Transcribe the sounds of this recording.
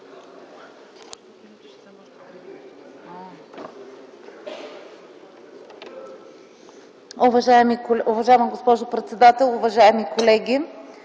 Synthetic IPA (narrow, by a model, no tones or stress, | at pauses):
ʊvɐʒaɛmikolʊvɐʒaɛmɐɡospɔʒʊpɾɛt̪sɛd̪at̪ɛlˠʊvɐʒaɛmikolɛɡʲi